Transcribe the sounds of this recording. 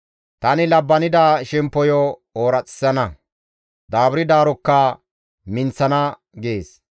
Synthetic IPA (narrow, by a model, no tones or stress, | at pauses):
t̪ɐnɪlɐbːɐnɪd̪aʃɛmpːɔjɔoːɾɐt͡sʼɪ̥sːɐnɐ | d̪aːbʊɾɪd̪aːɾɔkːɐ | mɪnt͡sːɐnɐ | ɡeːs